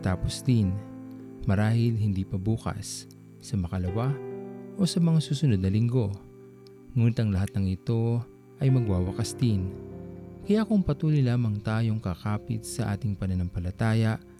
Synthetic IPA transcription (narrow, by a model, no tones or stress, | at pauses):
t̪aːposd̪ɪn | mɐɾaːhɪlɦɪnd̪ipɐbuːkɐ̰sː | ɐmɐkɐlɐwaʔo̞sɐmɐŋasuːsʊnod̪nɐlɪŋɡo̞ | ŋuːnɪt̪ʔɐŋlɐɦat̪̚nɐŋɪt̪o̞ | ʔɐjmɐɡwaːwɐkɐsd̪ɪn | kɐjakʊŋpɐt̪uːlijlaːmɐŋt̪aːjo̞ŋkɐkaːpɪt̪̚sɐʔa̰ːt̪ɪŋpɐnɐnɐmpɐlɐt̪aːjɐʔ